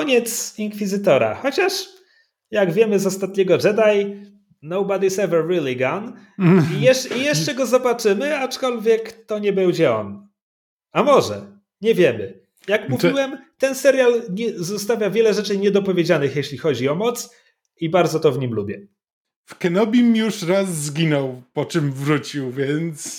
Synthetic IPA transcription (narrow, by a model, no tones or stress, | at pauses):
kɔɲɛt̪siŋkfʲizɘt̪ɔɾa̰xɔt͡ɕaʂ | jaɡvʲjɛmɘzɔst̪at̪̚ɲɛɡɔʐɛd̪aj | nɔwbad̪isɛvɛɾːilʲiɡan | ijɛijɛʂt͡ʂɛɡɔzɔbat͡ʂɘmɘat͡ʂkɔlvʲjɛkt̪ɔɲɛbɛwd͡ʑɛɔ̰n | amɔʐɛ̰ | ɲɛvʲjɛmɘ | jakmuviiwɛmt̪ɛnsɛɾʲjalɲɛzɔst̪avʲjavʲjɛlɛʐɛt͡ʂɘɲɛd̪ɔpɔvʲjed͡ʑanɘxjeɕlʲixɔd͡ʑiɔmɔt̪s | ibaɾd̪zɔt̪ɔvɲimlubʲjɛ | fkɛnɔbʲimjuʂɾasːɡʲinɔwpɔt͡ʂɘmvɾut͡ɕiwvʲjɛnt̪s